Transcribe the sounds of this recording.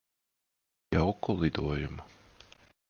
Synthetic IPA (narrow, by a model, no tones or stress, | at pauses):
jawkulˠid̪uɔjumu